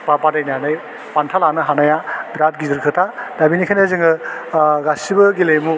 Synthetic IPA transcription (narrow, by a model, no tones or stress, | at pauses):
papadajnanɯj | pantʰalanɯɦanajabɾat̚ɡizɯɾkʰɯtʰadabinikʰajnazɯŋɯ | ɡasibɐɡilejmu